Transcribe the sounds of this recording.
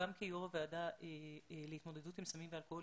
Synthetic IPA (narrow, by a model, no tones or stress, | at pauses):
amkijoʁaveadaʔeleit̪mo̞de̞dutimsamimvealkoo